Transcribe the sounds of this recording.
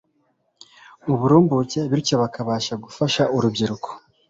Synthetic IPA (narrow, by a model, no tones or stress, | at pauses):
uβuɾuːmbuce̞βiɾico̞βakaβaːʃaɡufaʃaʔuɾubɟiɾukʰo̥